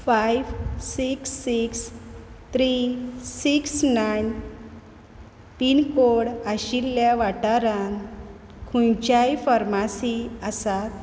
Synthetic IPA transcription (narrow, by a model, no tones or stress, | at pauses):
fajʋsiksːikst̪ɾisiksnajn | t̪inkoɽaɕilːjaʋaʈaɾan | kʰũjt͡ɕajfəɾmasiəsat̪